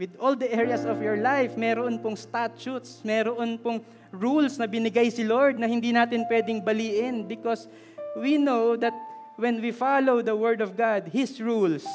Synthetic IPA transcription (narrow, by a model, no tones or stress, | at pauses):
wɪd̪old̪ɐʔɛɹjɐsɔvjɔɹlajfmɛɾoʔonpoŋst̪at̪t͡ʃut̪smɛːɾoʔonpoŋ | ɹulsnɐbɪnɪɡajsɪloɹd̪̚nɐhɪnd̪iːnaːt̪ɪnpwɛd̪ɪŋbɐliːʔɪnbɪkos | winowd̪ɐt̪̚ | wɛnwifalowd̪ɐwɛɹd̪ɔvɡad̪̚hɪsɹuls